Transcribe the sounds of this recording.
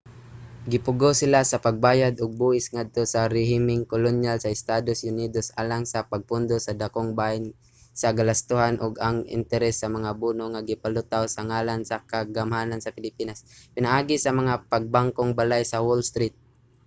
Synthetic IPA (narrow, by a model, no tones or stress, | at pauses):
ɡɪpʊɡosɪlasɐpɐɡ̚baːjad̪ʔʊɡ̚buːʔɪsŋad̪̚t̪osɐɾɛɦɪmɪŋkolonjalsɐɪst̪aːd̪osʊniːd̪osʔaːlaŋsɐpaɡ̚pʊnd̪osɐd̪akoŋban | sɐɡalast̪ʊhanʔʊɡaŋɪ̰nt̪ɛɾɛsːɐmɐŋabuːnoŋaɡɪpalʊt̪awsɐŋaːlansakaɡamhaːnansɐpɪlɪpiːnaspɪnɐʔaːɡɪsɐmɐŋapɐɡ̚baŋkoŋbalajsɐwolst̪ɾit̪̚